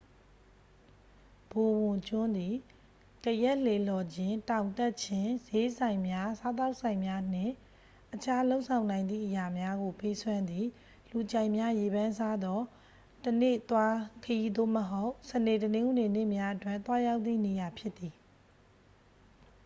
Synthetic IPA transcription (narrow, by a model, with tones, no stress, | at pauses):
b̥o˨wʊ̃˨t͡ɕʊ̃˦nd̪i˨ | kəjɛ˦ʔl̥e˨lɔ˨d͡ʑɪ̃˦tã˨ʊ̃ntɛ˦ʔ̚t͡ɕʰɪ̃˦ze˦sã˨ɪ̃mja˦sa˦t̪̬a˦ʊʔsʰã˨ɪ̃mja˦n̥ɪ̃˦˨ | ʔət͡ɕʰa˦lo˦ʊʔsʰã˨ʊ̃nã˨ɪ̃nd̪ðḭ˦˨ʔəja˨mja˦ɡo˨pe˦swã˦nd̪i˨ | lu˨t͡ɕã˨ɪ̃mja˦je˨bã˦nsa˦d̪ɔ˦ | tənḛ˦˨t̪wa˦kʰəji˦d̪o̰˦˨məɦo˦ʊʔsə˨ne˨tənɪ̃˦ŋɡu˨ne˨nɪ˦ʔmja˦ʔətwɪ̃˦˨nt̪wa˦ja˦ʊt̪ːḭ˦˨ne˨ja˨pʰjɪ˦t̪ːi˨